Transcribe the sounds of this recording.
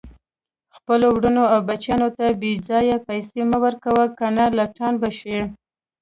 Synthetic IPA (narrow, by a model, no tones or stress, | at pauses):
xpəlowɽənoawbat͡ʃjɑnot̪abed͡zɑjapajseməwəɾkawəkanalaʈɑnbaʃeɽ